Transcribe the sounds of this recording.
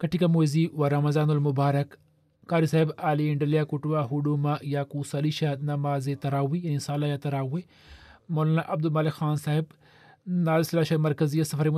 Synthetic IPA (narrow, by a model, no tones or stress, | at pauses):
kɐʈikamoziwaɾɐmɐzaːnulmʊbaːɾɐkː | aːɾisaːɦibaːliɪɳɖɐljakuʈuwaɦuɖuːmajaːkusaliʃanɐmaːzet̪ɐɾaːwijaːnisaːlaːjat̪ɐɾaːwe | moːlaːnaʔɐb̚d̪ulmaːlexaːnsaːɦib | naːlsɐlaːʃɐmɐɾkɐzijasɐfɐɾim